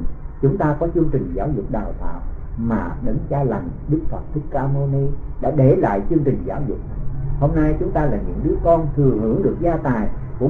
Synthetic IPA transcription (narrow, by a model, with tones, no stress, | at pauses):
t͡ɕʊ˨˦ŋ͡mt̪aː˧kɔ˨˦t͡ɕɨ˧əŋt͡ɕï˨˩ŋ̟zaː˨˦wzʊ˨˩k͡p̚ɗa̰ː˨˩wt̪a̰ː˧˨w | maː˨˩ɗə˨˦ŋt͡ɕaː˧la˨˩ŋɗɨ˦˥k̚fə˨˩p̚t̪ʰi˦˥k̚ːaː˧mo˧ni˧ | ɗa̰ː˧˥ɗe˧˩la̰ː˧˨jt͡ɕɨ˧əŋt͡ɕï˨˩ŋ̟zaː˨˦wzʊ̰˨˩k͡p̚ho˧mna˧jt͡ɕʊ˨˦ŋ͡mt̪aː˧laː˨˩ɲɨ̰˧˥ŋɗɨ˨˦əkɔ˧nt̪ʰɨ˨˩əŋhɨ̰˧˩˥əŋɗɨ˨˩ək̚zaː˧t̪aː˨˩j | kʊ̰˧˥